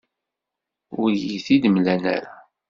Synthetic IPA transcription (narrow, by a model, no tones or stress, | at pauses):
ʊɾjiθid̪mlænæ̰ɾa